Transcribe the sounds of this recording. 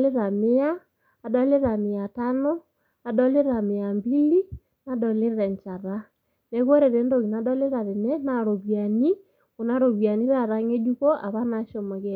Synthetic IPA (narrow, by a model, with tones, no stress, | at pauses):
le˦ɾa˨mɪ˦aː˨ | dɔ˦le˦ɾa˨mɪ˨a˨tano˦ | a˨dɔ˦le˦ɾa˨mɪ˨a˨mbi˦li˦ | na˦dɔ˨le˦ɾa˨ɲt͡ʃa˨ɾa˦ | ne˦ɣwo˦ɾe˨ɾe˨˦ndo˨ɣi˨na˨dɔ˦le˦ɾa˨ðe˨nɛ˦na˨ɾo˨βja˨ni˦ | o˨na˦ɾo˨βja˨ni˦ɾa˨ɾa˦ŋe˦du˦ko˦ʔa˨βa˦naʃo˨mo˨ɣe